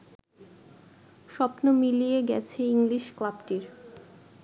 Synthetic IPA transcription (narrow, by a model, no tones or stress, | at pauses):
ʃɔpnomilijeɡɛ̰t͡ɕʰeiŋliʃklabʈiɾ